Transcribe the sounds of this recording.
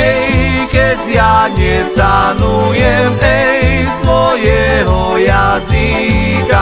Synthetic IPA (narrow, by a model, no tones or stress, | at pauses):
ketiaɡesanujem̩eismojeɦɔjazika